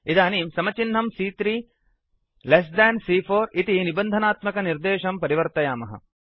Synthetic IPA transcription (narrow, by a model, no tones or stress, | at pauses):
id̪aːniːmsɐmɐt͡ʃin̤ːɐmsiːt̪ɾiː | les̬d̪ɛːnsiːfʰoːɾit̪inibɐnd̪ʱɐnaːt̪mɐkɐniɾd̪eːʃɐmpɐɾiʋɐɾt̪ɐjaːmɐɦɐ̰